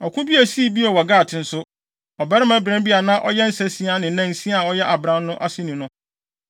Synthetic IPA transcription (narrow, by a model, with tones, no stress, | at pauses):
ɔ˨kʷʰʊ̃˦bi˦æ˨si˦bi˦ɔ˨wɔ˨ɡaː˦˨tʰɪ̃˨n̩˦sʊ˦ | ɔ˨bɛ˦ɾɪ˦mã˦bɾɛ̃˦mbi˦a˨nã˦ʔɔ̰˦jɛ˦n̩˦sɛ˦sĩ˨˦a˦nɪ̃˨nã˦n̩˨sĩ˦a˨ɔ˦jɛ˦ʔa˨bɾã˦nːʊ̃˦ʔa˦sɪ˦nĩ˨nʊ̃˦